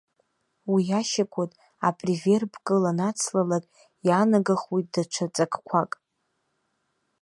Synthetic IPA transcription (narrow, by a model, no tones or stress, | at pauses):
wiaʃakʷʰatʼ | apʼrive̞rbʰkʼɨlanat͡sʰlalakʼ | janaɡaχwijtʼdaʈ͡ʂʷʰat͡sʼakʰʼkʷʰakʼ